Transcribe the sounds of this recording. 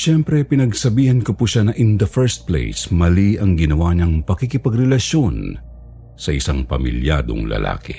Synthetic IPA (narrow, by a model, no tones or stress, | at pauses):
ʃɛmpɾɛpɪnɐɡsɐbiːhɐnkopuʃanɐʔɪnd̪ɐfɛɹst̪̚plḛjsmɐliɐŋɡɪnɐwaɲɐŋpɐkikɪpɐɡɾɛlɐʃo̞n | sɐʔɪsaŋpɐmɪ̰lja̰d̪o̞̰ŋlɐ̰lʔa̰ːkɪ̰